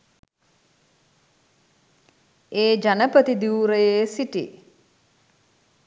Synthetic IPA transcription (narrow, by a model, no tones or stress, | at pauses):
eːd͡ʒanəpət̪id̪iuɾəjesiʈḭ